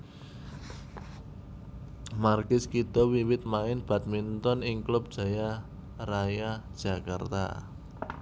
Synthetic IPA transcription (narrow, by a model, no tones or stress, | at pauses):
markɪskit̪ɔwiwɪt̪̚maɪnb̥ä̤t̪̚mint̪ɔnɪŋklʊp̚d̥ʒ̥ä̤ja | rajad̥ʒ̥ä̤ka̰rt̪a̰